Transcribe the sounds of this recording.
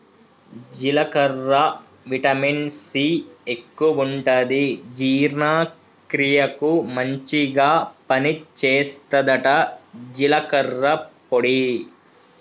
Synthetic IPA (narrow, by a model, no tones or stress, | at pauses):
d͡ʒilɐkɐɾːɐ | ʋiʈɐminsiːekːuʋuɳʈɐd̪id͡ʒiːɾnaː | kɾijɐkumɐɲt͡ʃiɡaːpɐnit͡ʃeːst̪ɐd̪ɐʈɐd͡ʒilɐkɐɾːɐpoɽi